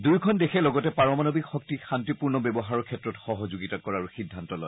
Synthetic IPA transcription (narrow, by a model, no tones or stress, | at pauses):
dujkʰɔndekʰɛlɔɡɔtɛpaɹɔmanobikxɔk̚tixantipuɹnɔbɛbɔɦaɹɔkʰɛtɹɔtxɔɦɔzuɡitakɔɹaɹuxidʱːantɔlɔj